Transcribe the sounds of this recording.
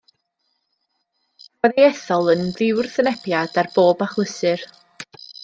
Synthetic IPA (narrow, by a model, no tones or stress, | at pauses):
ɔðejɛθɔlˠənðɪwrθənɛpjad̥arboːbaχlˠəsɨr